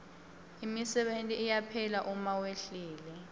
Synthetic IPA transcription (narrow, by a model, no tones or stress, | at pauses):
imisɛɓentʼiːjapʰɛlaʔumaweɬiːlɛ